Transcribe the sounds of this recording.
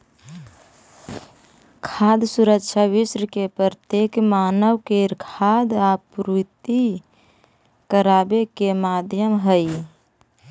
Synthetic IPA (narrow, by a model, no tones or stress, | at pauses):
kʰad̪suɾəkʃʰaʋisɾəkepəɾt̪ekmanəwkeɾkʰad̪apɾut̪i | kəɾabekemad̪ʱjəmɦəj